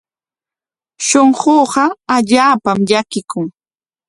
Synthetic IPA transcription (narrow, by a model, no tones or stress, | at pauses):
ʃoɴɢoːɢɑaʎaːpamʎakɪkʊŋ